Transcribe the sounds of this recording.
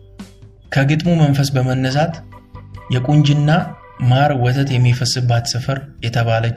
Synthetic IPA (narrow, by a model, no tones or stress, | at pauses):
kʰəɡɨt̪ʼmumənfəsbəmənːəs̬at̪ | jɛkʼuɲd͡ʒɪnːa | maɾwɔt̪ʰət̪jɛmːifəsɨbːat̪sɨfəɾjɛt̪ʰəβalət͡ʃː